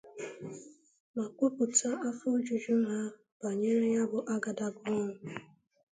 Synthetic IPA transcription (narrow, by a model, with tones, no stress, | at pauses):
ma˨kʷu˦pu˨ta˦ʔa˦fʊ˦d͡ʒu˨d͡ʒu˦ɦa˦ | b̥a˨ɲe˦ɾɪ˦ja˦bʊ˨ʔa˦ɡa˨da˨bʊ˦ŋʊ˨